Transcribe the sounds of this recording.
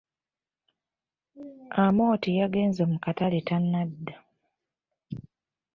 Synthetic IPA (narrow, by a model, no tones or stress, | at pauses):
amo̞ːtijaɡe̞ːnzoːmukataletanːadːa